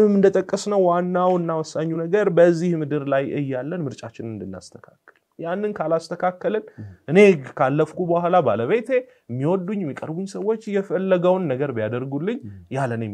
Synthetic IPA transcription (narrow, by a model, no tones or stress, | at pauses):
mːɨnd̪ət̪ʼəkʼːəsnəwwanːawɨnːawɔsːaɲːunəɡəɾbəzːihmɨd̪ɨɾlajɨ̰jːalːənmɨɾt͡ʃʼat͡ʃːɪnɨnd̪ɨnːa̰st̪ʰə̥kʰakːəl | janːɨnkʰalast̪ʰəkʰakːəlɨnʔɨne̞kʰalːəfkubəwhalabaləβe̞t̪ʰe̞ | mːiwɔd̪uɲːmːikʼəɾbuɲsəwːo̞t͡ʃːjɛfəlːəɡəwnːəɡəɾbijad̪əɾɡulːɨɲːjalːənjɛm